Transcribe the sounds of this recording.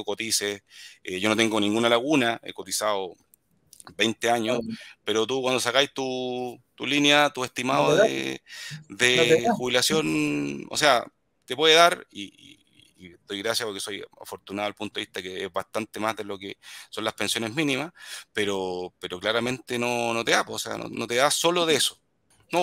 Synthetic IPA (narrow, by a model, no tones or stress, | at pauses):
kot̪iseeʝo̞no̞t̪e̞ŋɡonĩŋɡunalaɣunaḛko̞t̪isao | bejnt̪eaɲospeɾot̪ukwand̪osakajt̪ut̪ulinjat̪ueht̪imaoðḛ | ðexuβilasjo̞no̰sea | t̪epweðeðaɾḭḭː | d̪o̞jɣɾasjapoɾkeso̞ja̰fo̞ɾt̪unaðoalpunt̪oeiht̪akeezβaht̪ant̪emazðelo̞kesonlaspe̞nsjone̞zminimaspeɾopeɾoklaɾame̞nt̪enonot̪eapoːsea̰no̰not̪easo̞loðeeso | no